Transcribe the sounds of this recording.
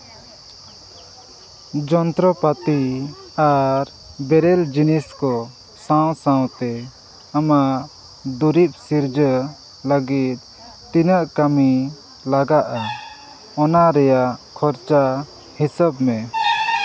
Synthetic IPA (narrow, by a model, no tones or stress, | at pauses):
d͡ʒɔnt̪ɾɔpat̪i | aɾ | bɛɾɛld͡ʒiniskɔ | sãw̃sãw̃t̪ɛ | amaʔ | d̪uɾip̚siɾd͡ʒə | ləɡit̪̚ | t̪inəʔkami | laɡaʔa | ɔnaɾɛjaʔkʰɔɾt͡ʃa | hisəbmɛ